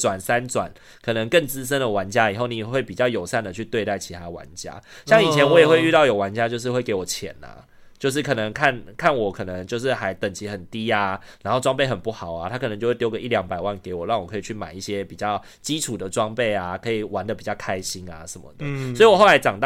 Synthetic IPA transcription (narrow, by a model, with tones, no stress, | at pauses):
t͡swa˨˩nsa˦nt͡swa̰˨˩˦n | kʰɤ˨˩nə˧˦ŋkə˥˩ŋt͡sɹ̩˦ʂ̬ə˥nd̪ə˨wa˧˦nt͡ɕja˦˥i˨˩xo˥˩ʊni˨˩jxwe˥˩ɪpi˨˩t͡ɕjɑ˥˩ʊjo˨˩ʊsa˥˩nd̪ə˨t͡ɕʰy˥˧t̪we˥˧ɪt̪a˥˩ɪt͡ɕʰi˧˥t̪ʰa˥d̪ə˨wa̰˧˦nt͡ɕja̰˥ɕjɑ˥˩ŋi˨˩t͡ɕʰjɛ˧˦nwɔ˧˦jɛ˨˩xwe˥˧y˥˧t̪ɑ˥˩ʊjo˨˩ʊwa˧˦nt͡ɕja˦˥t͡ɕjo˥˧ʊʂ̬ɻ̩˥˧xwe˥˩ɪke˧ɪwɔ˨˩t͡ɕʰjɛ̰˨˦na̰˨˩ | t͡ɕjo˥˧ʊʂ̬ɻ̩˥˩kʰɤ˨˩nə˧˦ŋkʰa˥˩nkʰa˥˩nwɔ˨˩kʰɤ˨˩nə˧˦ŋt͡ɕjo˥˧ʊʂ̬ɻ̩˥˩xa˧˥ɪt̪ə˨˩ŋt͡ɕʰi˧˦˥xə˨˩nt̪i˥a˨na˧˥nxo˥ʊʈ͡ʂwɑ˥ŋpe˥˩ɪxə˨˩npu˥˩xɑ˨˩˦ʊa˨˩t̪ʰa˥kʰnə˧˦t͡ɕjo˥˧we˥˩tjo˥ʊɡə˨˩ʔi˥ljɑ˧˥ŋpa˨˩ɪwa˥˩nke˧˦ɪwɔ˨˩ɻɑ˥˩ŋwɔ˨˩kʰɤ˧i˨˩t͡ɕʰy˥˩ma̰˨˩ni˥˩ɕjɛ˦pi˨˩t͡ɕjɑ˥˩ʊ | t͡ɕi˦ʈ͡ʂʰu˨˩d̪ə˩ʈ͡ʂwɑ˥ŋpe˥˩ɪa˨˩kʰɤ˧˦i˨˩wa˦nd̪ə˨pi˨˩t͡ɕjɑ˥˩ʊkʰa˥ɪɕi˦˥na̰˨ʂə˨˩nmə̰˨d̪ə˦swi˨˩wɔ˨˩xo˥˩ʊla˧˥ɪt͡ɕɑ˨˩ŋt̪ɑ˥